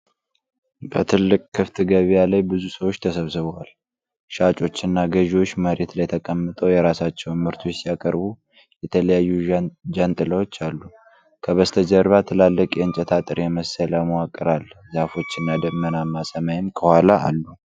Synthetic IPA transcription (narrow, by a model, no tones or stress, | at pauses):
bət̪ʰɨlːɨkʼkʰːɨft̪ʰɨɡəβjalajbɨzusəwo̞t͡ʃːt̪ʰəsəβsɨβəwal | ʃat͡ʃʼo̞t͡ʃːɨnːaɡəʒwo̞t͡ʃːməɾe̞t̪lajt̪ʰəkʼəmːɨt̪ʼəwjɛɾasat͡ʃːɛwnmɨɾt̪ʰujɛsijakʼəɾbu | jɛt̪ʰələjajːud͡ʒənt̪ʼɨləwo̞t͡ʃːalːu | kʰəβəst̪ʰəd͡ʒəɾβat̪ʰɨlalːəkʼjɛɨnt͡ʃʼɛt̪ʰat̪ʼɨɾjɛməsəlaməwakʼːɨɾalzafo̞t͡ʃːɨnːad̪əmːənamːasəmajɪmkʰəhwʷalaa̰lːu